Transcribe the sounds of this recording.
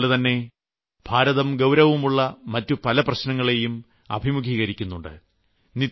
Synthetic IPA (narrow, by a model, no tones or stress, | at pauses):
lɨt̪ɐnːe̞ | b̥ʱaːɾɐðɐmɡɐwɾɐʋumuɭːɐmɐtːupɐlɐprɐɕnɐŋːɐɭe̞jum | ɐ̰bʱimuɡʱiːɣɐɾikʲːunːuɳɖɨ̰ | ni